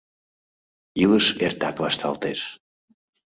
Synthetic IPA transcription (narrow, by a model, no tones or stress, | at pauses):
ilˠɨsɛɾt̪akvast̪ʰa̰lˠt̪eɾ̥